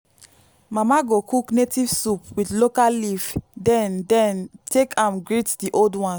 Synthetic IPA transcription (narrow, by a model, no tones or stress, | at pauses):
mamaɡokuknetiv̥supwidlokalivdɛ̃ndɛ̃ntʰekʰãmɡɹitdiʔoldwɔ̃n